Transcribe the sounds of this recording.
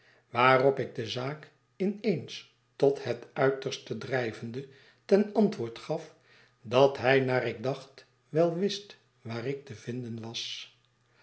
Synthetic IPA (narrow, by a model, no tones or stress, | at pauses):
ʋaːrɔpɪɡ̚dəzaːk | ɪnejns | tɔthɛtœɥtəɹstədrɛjvəndə | tɛnɑntʋʊːɹtχɑf | dɑtɦɛjnaːrɪɡ̚dɑχt | ʋɛlˠʋɪst | ʋaːrɪk̚təvɪndənʋɑs